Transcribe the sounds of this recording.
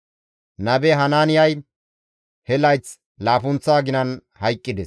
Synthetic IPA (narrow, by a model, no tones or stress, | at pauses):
nɐbɛɦɐnaːnɪjɐj | hɛlɐjt͡s | laːfʊnt͡sːaːɡɪnɐn | hɐjkʼːɪd̪ɛs